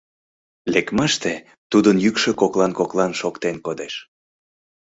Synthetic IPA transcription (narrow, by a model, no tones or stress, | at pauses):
lekmɑʃt̪e | t̪ud̪ənjykʃø̆koklɑnkoklɑnʃokt̪enkod̪eʃ